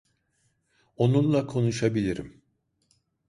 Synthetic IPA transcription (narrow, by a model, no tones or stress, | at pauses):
onunlˠakʰo̞nuʃabilʲiɾḭm